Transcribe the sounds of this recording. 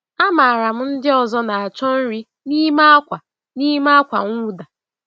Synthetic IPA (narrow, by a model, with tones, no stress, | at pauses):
a˦ma˨ɾa˨m̩˦n̩˦dɪ˦ɔ˨zɔ˦na˨a˨t͡ʃɔ˦n̩˦ɾi˦ | ni˦ma˦a˦kʷa˨ | ni˦ma˦a˦kʷa˨ŋʷu˦da˨